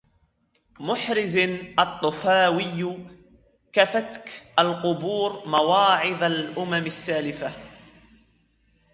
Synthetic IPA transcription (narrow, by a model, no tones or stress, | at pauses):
mʊħɾɪznʔɑt̪ˤːʊfaːwɪjː | kafat̪kʔalqʊbuːɾmawɑːʕɪðˤalʔʊmamasːaːlɪfa